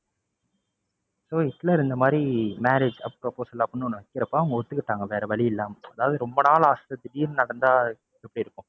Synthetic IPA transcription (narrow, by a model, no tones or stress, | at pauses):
soːɪt̪ːɪlɐɾɯnd̪ɐmaːd̪ɾimaːɾeːd͡ʒɐ̰pːɾɐpːoːsɐlːaːpːɔnːɯɔnːɐʋɐkːɪɾɐpːaːʋɐŋɡɐɔt̪ːɯkːɪʈːaːŋɡɐʋeːɾɐʋɐɭɪjɪlːaːmɐɐðaːʋɐðɯɾɔmbɐnaːlaːst̪ɐt̪ːɪʈiːlnɐɽɐnd̪aː | ɛpːɐɽiɪɾɯkːʊ̃